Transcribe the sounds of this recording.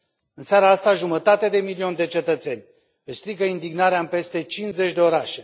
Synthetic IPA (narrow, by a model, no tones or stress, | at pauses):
ɨnseaɾaast̪aʒumət̪at̪ed̪e̞milio̞nʲd̪e̞t͡ʃe̞t̪ət̪se̞nʲ | pest̪ɾikəind̪iɡnaɾeaɨmpe̞st̪e̞t͡ʃinze̞t͡ʃʲd̪e̞o̞ɾaʃe̞